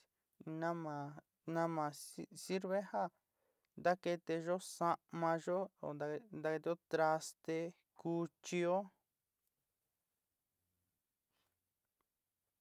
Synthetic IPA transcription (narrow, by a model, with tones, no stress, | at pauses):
nã˦mã˨ | nã˦mã˨˧si˦ɾβe˦ha˦ | nd̪a˦ke˧t̪e˧ʒo˦sa˦˧mã˧ʒo˦o̰˨nd̪a˧nd̪a˧ke˧t̪e˧o˦t̪ɾa˧st̪e˧ | ku˧˦t͡ʃi˧o˦